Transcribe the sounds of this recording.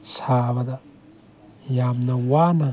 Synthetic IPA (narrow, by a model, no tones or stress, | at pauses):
sabɐd̪ɐ | jamnɐwanɐ